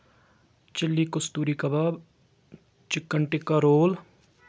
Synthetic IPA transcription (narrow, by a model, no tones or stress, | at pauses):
t͡ʃɪlːikʊst̪uːɾikɐbab | t͡ʃɪkːəɳʈɪkːaɾoːl